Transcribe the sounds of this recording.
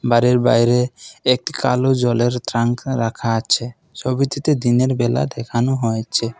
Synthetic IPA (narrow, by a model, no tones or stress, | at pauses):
baɾeɾba̰jɾeek̚ʈi̥ka̰lod͡ʒɔleɾt̪ɾaŋkɾakʰaːt͡ʃʰe | sɔbit̪it̪ed̪ineɾbɛla̰d̪ɛkʰanuɦɔjt͡ʃʰe